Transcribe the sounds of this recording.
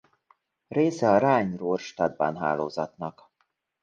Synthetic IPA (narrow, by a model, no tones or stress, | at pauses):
reːsɛɒɾaːɲroːrʃt̪ɒd̪̚ba̰nɦa̰ːlo̰ːzɒt̪nɒk